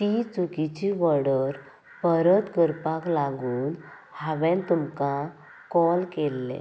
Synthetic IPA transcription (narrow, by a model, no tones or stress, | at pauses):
t̪it͡sukit͡ɕiʋəɽəɾ | pəɾət̪ɡəɾpaklaɡuːn | haʋɛ̃nt̪umka | kɔlkelːḛ̃